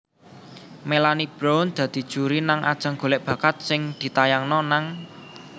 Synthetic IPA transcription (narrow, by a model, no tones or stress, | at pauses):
melanib̥ɾond̪̥ä̤d̪̥i̤d̥ʒ̥ṳɾinaŋʔa̰d̥ʒ̥a̤ŋɡ̥o̤leʔb̥ä̤kat̪̚sɪŋd̪̥i̤t̪ajaŋnɔnaŋ